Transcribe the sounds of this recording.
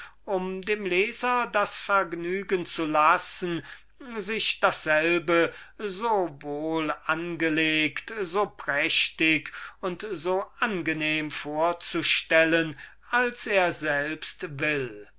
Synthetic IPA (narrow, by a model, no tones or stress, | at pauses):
ʔʊmdeːmleːzɐdasfɛɐɡnyːɡənt͡sulasn̩ | zɪʃd̥asz̥ɛlbəzoːvoːlʔanɡəleːktzoːpʁɛʃtɪkʊntzoːʔanɡəneːmfoːɐt͡suʃtɛlən | alseːɐzɛlpstvɪl